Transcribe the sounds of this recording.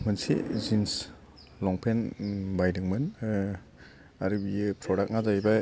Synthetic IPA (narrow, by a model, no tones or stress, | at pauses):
mɐnsḭzins | lɔŋpʰenbajdɯŋmɯn | aɾibiepʰɾɔɾak̚nazajba